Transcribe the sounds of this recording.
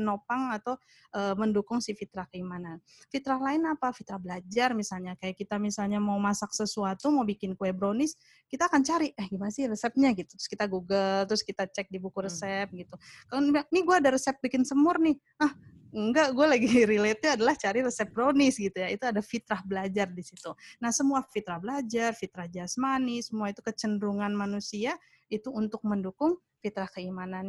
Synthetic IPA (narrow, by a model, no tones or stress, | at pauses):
nopaŋat̪aw | ʔəːməndukʊŋsifit̪ɾahkəimanan | fit̪ɾahlaɪnapafit̪ɾahbəlad͡ʒarmisalɲakajaʔkit̪amisalɲamaumasaksəsuat̪umawbikɪnkuɛbɾonɪs | kit̪aːkant͡ʃaɾiahɡimanasɪhrəsɛp̚ɲaɡit̪ut̪ɾʊskit̪aɡuɡəlt̪ɾʊskit̪at͡ʃɛk̚dibukuɾəsɛp̚ɡit̪ukaloanɪɡuaːdaɾəsɛp̚bikɪnsəmʊrnɪh | əh | əŋɡaʔɡualaɡiɾilet̪̚ɲaadalaht͡ʃaɾiɾəsɛp̚bəɾonɪsɡit̪ujait̪uadafit̪ɾahbəlad͡ʒardisit̪unahsəmuafit̪ɾahbəlad͡ʒarfit̪ɾahd͡ʒasmanɪsəmuait̪ukət͡ʃəndɾuŋanmanusia | it̪uːnt̪ʊk̚məndukʊŋ | fit̪ɾahkəimanan